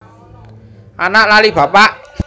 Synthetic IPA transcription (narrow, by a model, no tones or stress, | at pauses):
ʔanaʔlaliba̤paʔ